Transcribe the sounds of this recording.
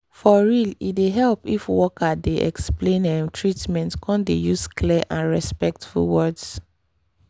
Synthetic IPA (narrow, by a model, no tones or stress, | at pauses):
fɔɹilideɦɛlpifwɔkadeʔɛ̰ksplẽnɛmtʰɹitmɛ̃ntkʰɔ̃ndejuskʰlɛʔãnɹɛspɛk̚tfṵlwɔds